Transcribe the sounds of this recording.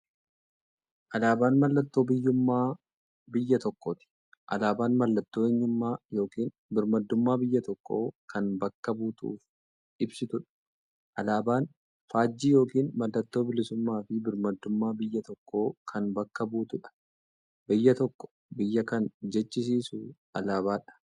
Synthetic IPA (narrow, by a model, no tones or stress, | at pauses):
ʔɐlaːbaːnmɐlːɐt̪ːo̞ːbɪjːʊmːaː | bɪjːɐt̪ɔkːot̪ɪ̥ | ʔɐ̰laːbaːnmɐlːɐt̪ːoːɛɲːʊmːaːjo̞ːkiːn | bɪɾmɐd̪ːʊmːaːbɪjːɐt̪ɔkːo̞̰ːkʰɐnbɐkːɐbuːt̪ṵːf | ɪbsɪt̪ʊᶑɐ̥ | ʔɐlaːbaːn | faːd͡ʒːiːjo̞ːkiːnmɐlːɐt̪ːo̞ːbɪlɪsʊmːaːfɪbɪɾmɐd̪ːʊmːaːbɪjːɐt̪ɔkːo̞ːkʰɐnbɐkːɐbuːt̪ʊᶑɐ̥ | bɪjːɐt̪ɔkːɔ̥ | bɪjːɐkɐnd͡ʒɛt͡ʃːɪs̬iːsu | ɐlaːβaːᶑɐ̥